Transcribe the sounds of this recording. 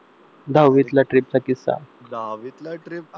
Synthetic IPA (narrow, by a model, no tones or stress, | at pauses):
d̪ʱawʋit̪laʈɾip̚t͡sakisa̰